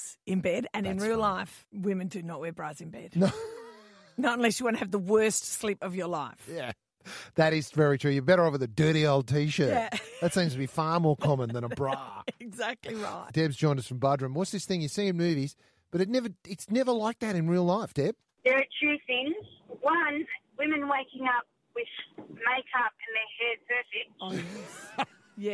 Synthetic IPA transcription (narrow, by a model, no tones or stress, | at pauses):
z̥ɨ̃nbɛɾɨ̃nɨ̃nɹilˠlaɪfwɪ̃mɨ̃ndɨnəʔ̚wɛɹbɹazɨ̃nbɛ̰d̥o | nəɾə̃n̩lɛsjəwɑ̃ñɨɨvðəwɜ˞stslipʌvjə˞laɪfjæ | ðɨɾɨz̥vɛɹitʰɹ̥ʉjə˞bɛɾə˞oʊvəðɨdɜ˞ɾioʊlˠd̚tʰiʃɜ˞æðɨtsĩmz̥tʰɨbifɑɹmɔɹkʰɑmə̃nðə̃ñəbɹɑɪɡzæk̚tˡliɹaɪt̚d̥ɛbzd͡ʒɔ̃ɪ̃ndʌsfɹʌ̃m̩bʌdɹɨ̃mwʌtsðɪsθɪ̃ŋjɨsiɨ̃nmʉviz̥ | b̥ʌɾɨtⁿnɛvə˞ɨtsnɛvə˞laɪk̚ðɨɾɨ̃nɹilˠlaɪfd̥ɛb̥ | ðə˞ːtʰɹ̥ʉθɪ̃ŋz̥wʌ̃nwɪ̃mɨ̃nweɪkɪ̃ŋʌp̚ | wɪð̥meɪkʰʌp̚ɨ̃nðə˞hɛɹd̚pʰɜ˞fɪt | jæ